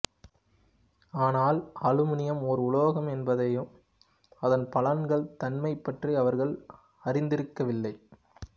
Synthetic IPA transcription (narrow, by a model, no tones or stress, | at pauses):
aːnaːlɐlɯmɪnɪjɐmɔɾɯʊɭoːɣɐmɛnbɐðɐjɯm | ɐðɐnpɐlɐnɡɐɭt̪ɐnmɐɪpːɐʈriɐʋɐɾɣɐɭ | ɐrɪnd̪ɪɾɯkːɐʋɪlːɐɪ